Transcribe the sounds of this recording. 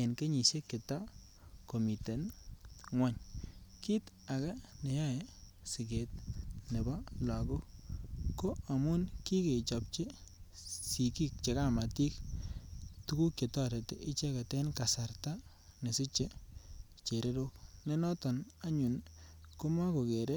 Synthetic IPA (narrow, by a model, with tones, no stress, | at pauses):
e˨nke˦ɲi˨ʃe˦ke˨ta˦ | ko˨mi˨te˨nŋwɛ˦ɲki˦ta˨ka˦ne˨jɔ˦e˨ | sɪ˨ɡe˨t̚ne˨bɔ˦la˨ɡo˦ | ko˦a˨mʊ˦nki˦ke˨t͡ʃɔ˨p̚t͡ʃe˦ | si˨ki˦k̚t͡ʃe˨ka˦ma˨ti˦k̚ | tu˦ku˦kje˨tɔ˦ɾe˨tḛ˨ʔɪ˦t͡ʃe˦ka˨tɛ˦nka˨sa˨rta˦ | ne˨sɪ˦t͡ʃe˦ | t͡ʃe˨ɾe˦ɾo˦kne˦nɔ˦tɔ˨n | a˦ɲu˨nko˦ma˦ko˨ke˨ɾe˦